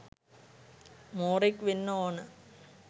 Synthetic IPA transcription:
moːrikːʋinːoaːɳɨ

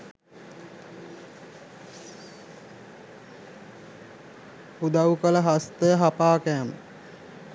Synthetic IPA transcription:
hud̪ɐwukələɦast̪əjəɦapaːkæːmə

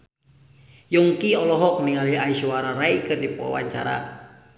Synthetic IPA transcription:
juŋkiɔlɔɦɔk̚niŋaliaisuaɾaɾaikɨrdipuwa̰wa̰ɲt͡ʃa̰ɾa̰

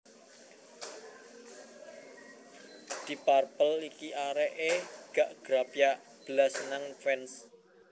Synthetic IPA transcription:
d̪̥i̤parpəlikiʔaɾɛʔeɡ̥aʔɡ̥ɾapjaʔ | b̥əlasnaŋfɛns

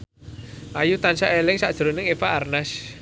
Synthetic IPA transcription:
ʔajut̪ansaʔelɪŋsaʔd̥ʒ̥ɾonɪŋepaʔːrnas

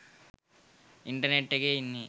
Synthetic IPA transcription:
iɳʈɐɾneʈːiɡeinːi

